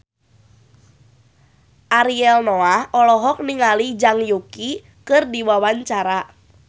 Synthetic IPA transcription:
ʔaɾiɛlnoahʔɔlɔɦɔk̚niŋalid͡ʒaŋjuki | kɨrdiwawaɲt͡ʃaɾa

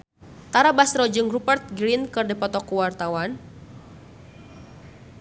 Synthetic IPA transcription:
t̪aɾabasrɔd͡ʒuŋrupərt̪̚ɡɾinkɨrdəpɔt̪ɔkuwart̪awan

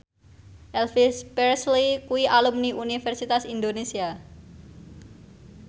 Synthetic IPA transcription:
ʔɛlfispɛrslikuiʔalumniʔunifɛrsit̪asind̪onesia

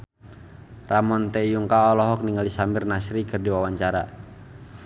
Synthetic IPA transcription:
ramɔnt̪ɛijuŋkaɔlɔɦɔk̚niŋalisamɪrnasɾikɨrdiwawaɲt͡ʃaɾa̰

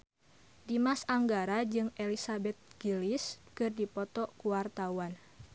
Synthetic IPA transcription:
dimasaŋɡaɾad͡ʒɨŋɛlisabɛt̪̚ɡ̥iliskɨrdipɔt̪ɔkuwart̪awan

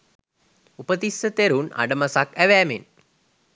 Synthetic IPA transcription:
upət̪isːət̪eɾuna̰ɖəmasakæʋæːmen

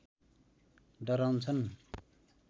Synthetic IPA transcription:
dʌɾawnt͡sʰʌn

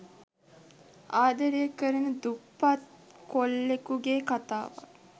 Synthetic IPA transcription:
aːd̪ɐɾijəkːəɾənəd̪upːat̪̚kolːekuɡeːkat̪a̰ːʋa̰

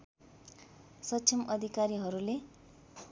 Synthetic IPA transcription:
sʌt͡sʰimʌd̪ʱikaɾiɦʌɾule

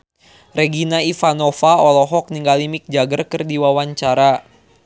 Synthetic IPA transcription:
rɛɡinaifanɔfaɔlɔɦɔk̚niŋɡalimik̚d͡ʒaɡərkɨrdiwawaɲt͡ʃaɾa

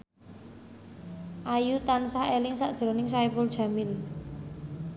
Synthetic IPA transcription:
ʔajut̪ansaelɪŋsaʔd̥ʒ̥ɾo̤nɪŋsaipʊldʒ̥a̤mɪl

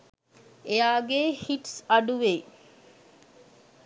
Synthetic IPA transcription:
eaːɡeːhiʈsɐɖuʋeː

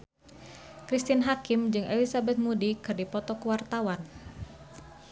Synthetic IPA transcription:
kɾist̪inɦakɪmd͡ʒɨŋʔelisabɛt̪̚mudikɨrdipɔt̪ɔkəwart̪awan

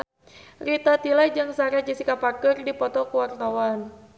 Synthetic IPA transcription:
rit̪at̪ilajd͡ʒɨŋsaɾad͡ʒisikapakərdipɔt̪ɔkuwart̪awan

